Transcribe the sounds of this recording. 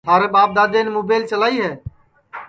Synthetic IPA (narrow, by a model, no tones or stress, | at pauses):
aːɾebaːp̚d̪aːd̪eːnmoːbeːɪlt͡ʃəlaːiːɦɛː